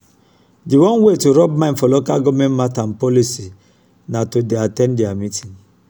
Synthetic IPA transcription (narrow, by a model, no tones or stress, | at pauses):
diwɔ̃nwetuɾɔbmãnfɔlokaɡɔmɛ̃nmatanpɔlisi | natodeatɛ̃ndiamitĩn